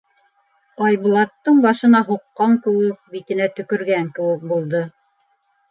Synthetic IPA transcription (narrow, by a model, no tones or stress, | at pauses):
ɑjβulˠɑt̪ːɤɴbɑʃɤ̆nɑɦuqːɑŋkɘ̆wɘk̚bit̪ɘ̆næt̪ɵ̆kɵ̆ɾɡæŋkɘ̆wɘk̚bulˠd̪ɤ